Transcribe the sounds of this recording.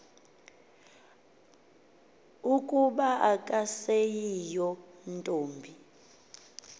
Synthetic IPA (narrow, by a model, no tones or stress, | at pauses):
ukʼuɓaʔakʼasejijɔntʼoːmbʱi